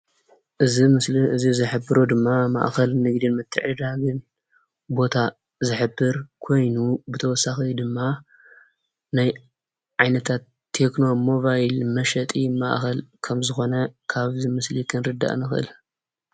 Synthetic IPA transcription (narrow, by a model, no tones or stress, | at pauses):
ʔɨzimɨsɨzizɨħɨbːɨɾod̪ɨmːama̰ʔxɐlnɨɡd̪inmɨt̪ʰːɨ̰ʕid̪aɡɨn | bo̞t̪ʰa | zɨħɨbːɨɾkʰo̞jnubɨt̪ʰɐwɔsːaxid̪ɨmːa | naj | ʕajnɐt̪ʰat̪ʰːe̞kno̞mo̞bajlmɐʃɐt̪ʼima̰ʔxɐlkʰɐmzɨxo̞nɐkʰaβzimɨslikʰɨnɾɨd̪ːa̰ʔnɨxʔɨ̰l